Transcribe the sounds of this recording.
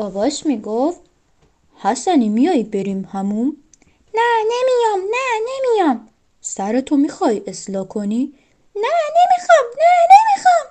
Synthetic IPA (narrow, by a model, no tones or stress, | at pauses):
ʔɒvɒʃmiɡof | hæsænimijɒːjbeɾiːmhæmum | nænemijɒmnænemijɒm | sæɾet̪ʰomiːxɒːjʔeslɒːkʰoni | nænemixɒmnænemixɒm